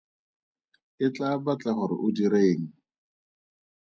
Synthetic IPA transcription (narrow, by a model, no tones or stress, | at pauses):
ɪt͡ɬabat͡ɬaχʊɾɪ̰ʔʊdiɾeːŋ̩